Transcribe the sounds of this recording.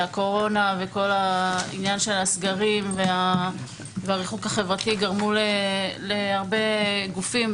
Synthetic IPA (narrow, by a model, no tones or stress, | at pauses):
ako̞ʁo̞nave̞ko̞laḭnjanʃe̞lasɡaʁimvea | veaʁiχukaχevʁatiɡaʁmuleleaʁbe̞ɡufim